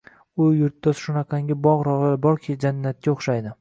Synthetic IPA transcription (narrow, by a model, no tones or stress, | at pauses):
ʊjʊɾt̪ːɒsʃʊnɑqʰɑŋɡʲɪbɒʁɾɒʁlaɾbɒɾkʲʰid͡ʒanːat̪̚kʲaoχʃajd̪ɪ